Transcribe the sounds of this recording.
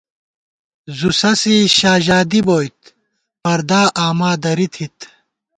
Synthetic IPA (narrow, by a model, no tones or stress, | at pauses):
zusɐsiɕaːʑaːd̪iboːjt̪ | pɐɾd̪aːʔaːmaːd̪ɐɾit̪ʰit̪